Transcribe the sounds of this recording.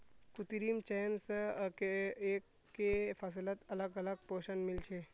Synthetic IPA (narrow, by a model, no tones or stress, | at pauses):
kʊt̪iɾiːmt͡ʃɛjnskeeːkː | efɐs̬ɪlət̪ɐləɡɐləɡ̚poːʃənmɪlt͡ʃʰeː